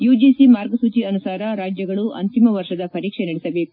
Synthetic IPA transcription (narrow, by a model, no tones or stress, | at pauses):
juːd͡ʒisimaːɾɡɐsuːt͡ʃiɐnusaːɾɐɾaːd͡ʒjɐɡɐɭuʔɐ̰nt̪imɐʋɐɾʂɐd̪ɐpɐɾiːkʂenɐɽɛsɐbe̞ːku